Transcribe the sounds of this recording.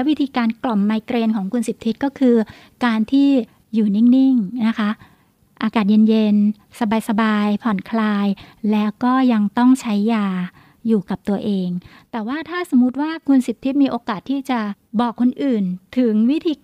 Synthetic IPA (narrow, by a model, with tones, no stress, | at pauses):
lɛ˦˥wi˦˥t̪ʰiː˧kaː˧nklɔ˨˩mːaː˧jkɾeː˧nkʰɔː˩˦ŋkʰu˧nsi˨˩p̚t̪ʰi˦˥t̪̚kɔː˥˩kʰɯː˧ | kaː˧nt̪ʰiː˥˩ | juː˨˩ni˥˩ŋni˥˩ŋna˦˥kʰa˦˥ʔ | ʔaː˧kaː˨˩t̪̚je˧nje˧n | sa˧baː˧jsa˧baː˧jpʰɔ˨˩nkʰlaː˧jlɛː˦˥wkɔː˥˩ja˧ŋt̪ɔ˥˩ŋt͡ɕʰa˦˥jːaː˧ | juː˨˩ka˨˩p̚t̪u˧ɐʔeː˧ŋ | t̪ɛː˨˩waː˥˩t̪ʰaː˥˩so˩˦mu˦˥t̪̚waː˥˩kʰu˧nsi˨˩p̚t̪ʰi˦˥t̪̚miː˧ʔoː˧kaː˨˩t̪ʰːiː˥˩t͡ɕa˨˩bɔː˨˩kʰːo˧nʔɯː˨˩nt̪ʰɯ˨˩˦ŋwi˦˥t̪ʰiː˧